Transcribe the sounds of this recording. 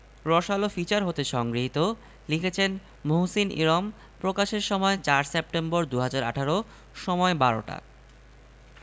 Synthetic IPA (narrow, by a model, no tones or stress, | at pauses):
ɾɔʃalofit͡ɕaɾɦot̪eʃɔŋɡɾiɦit̪o | likʰet͡ɕʰen | moɦsinʔḭɾɔm | pɾokaʃeɾʃɔmɔet͡ɕaɾsep̚ʈemboɾd̪uɦad͡ʑaɾa̰ʈʰaɾo | ʃɔmɔebaɾo̰ʈa̰